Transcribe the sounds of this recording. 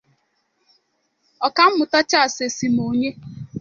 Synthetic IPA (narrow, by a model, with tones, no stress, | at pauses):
ɔ˨ka˦m̩˦mʊ˨ta˦t͡ʃa˦a˨se˨si˨mo˨ɲe˦